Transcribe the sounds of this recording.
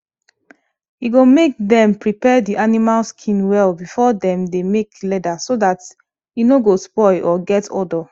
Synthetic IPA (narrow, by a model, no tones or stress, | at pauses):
iɡomek̚dɛ̃mpɹipɛdiʔanimalskʰĩnwɛlbifɔdɛ̃mdemeklɛdasodat | inoɡospɔɪʔɔɡɛtʰɔdɔ